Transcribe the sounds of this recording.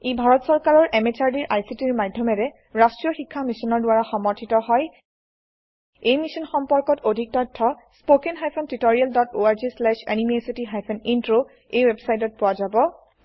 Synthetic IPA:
ebʱaɹɔtsɔɹkaɹɔɹʔɛmet͡ʃaɹdiɹʔajsitiɹmadʱjɔmɛɾɛ | ɹastɹijɔxikʰːamisɔnɔɹdʊwaɹaxɔmɔɹtʰitɔɦɔj | ejmisɔnxɔmpɔɹkɔtodʱik̚tɔtʰːɔspokenɦajpʰɔntitoɹialdɔtoaɹzislɛʃa̰nimesitiɦajpʰɔnintɹo | ejwebsajt̬ɔt̚pʊwazabɔ

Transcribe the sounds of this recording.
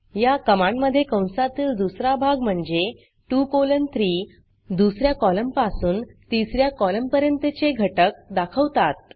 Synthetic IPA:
jakəmãɳməd̪ʱːjekə̃w̃slat̪iːld̪usɾabʱaɡm̤əɳd͡ze | ʈukolənt̪ʰɾiː | d̪usɾjakɔləmpasuːnt̪isɾjakɔləmpəɾjənt̪ət͡seɡʱəʈək̚d̪akʰəʋt̪at̪̚

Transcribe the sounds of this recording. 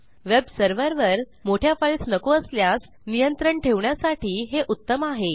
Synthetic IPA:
ʋebsəɾʋəɾʋəɾ | moʈʰjafaɭsnəkoəsljas | nijənt̪ɾəɳʈʰeʋɳjasaʈʰiːɦeʔut̪ːəmaɦe

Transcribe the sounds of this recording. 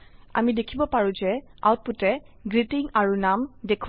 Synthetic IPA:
a̰midekʰibɔpaɹũzɛa̰wt̚putɛ | ɡɹitiŋaɹunamdekʰ

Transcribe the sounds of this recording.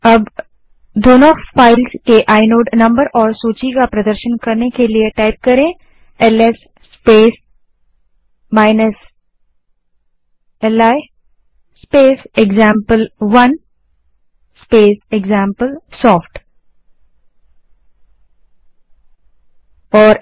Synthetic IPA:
ɐb | d̪oːnõfaːɪlskeʔaːɪnoːɖnɐ̃mbəɾɔːɾsoːt͡ʃikapɾɐd̪əɾʃənkɐɾnekelieʈaːɪp̚kɐɾẽː | ɛlɛsː | peːs | maːɪnəs | ɛlaː | speːseɡzãːmpəlʋɐn | speːseɡzãːmpəlsɔːfʈ | ɔːɾ

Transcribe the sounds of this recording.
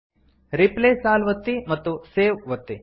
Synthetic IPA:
ɾipleːslaːlʋɐt̪ːimɐt̪ːuseːʋʋɐt̪ːi

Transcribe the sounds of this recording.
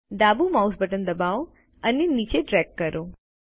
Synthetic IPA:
ɖ̪abumausbəʈənd̪əbao | ənenit͡ʃeɖɾɛkːəɾo

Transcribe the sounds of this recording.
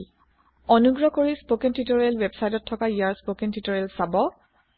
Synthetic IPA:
ɔnuɡɹɔkoɹispokɛntʰitɔɹelwebsajtɔtʰːɔkaijaɹspokɛntʰitɔɹelsabɔ

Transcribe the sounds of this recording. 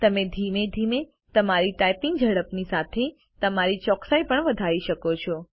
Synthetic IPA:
t̪əmed̪ʱimed̪ʱime | t̪əmaɾiʈajpiŋɡd͡ʒʱəɽəpnisat̪ʰe | t̪əmaɾit͡ʃɔksajpəɳʋəd̪ʱaʋiʃəkot͡ʃʰɔ

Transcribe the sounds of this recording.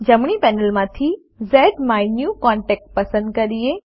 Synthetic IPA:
d͡ʑɐmɽ̃ipɛːnəlmãt̪ʰi | zɛːɖmaːinjuːkãːɳʈɛːk̚ʈ̚pɐsə̃nd̪kɐɾie

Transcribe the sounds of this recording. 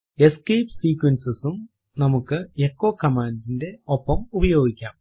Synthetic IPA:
e̞skejpsiːkwɐnsɨsum | nɐmukːɨekːoːkɐmaːndinde̞opːɐmubɐjo̞ːɡikʲːaːm

